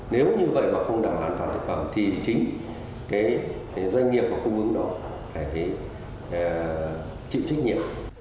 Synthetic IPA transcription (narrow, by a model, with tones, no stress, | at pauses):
ne˨˦wɲɨ˧və̰˧˨jmaː˨˩xə˧wŋ͡mɗaː˧˩mʔaː˨˦nfaː˧˩nt̪ʰɨ˨˩k̚fə˧˩mt̪ʰi˨˩t͡ɕï˨˦ŋ̟ | kaː˨˦j | zwa˧jŋ̟ːi˨˩əp̚vaː˨˩ku˧hɨ˨˦ŋɗɔ˨˦ | faː˧˩jk̪e˨˦j | t͡ɕḭ˧˨wt͡ɕa˦˥k̟̚ɲḭ˧˨əm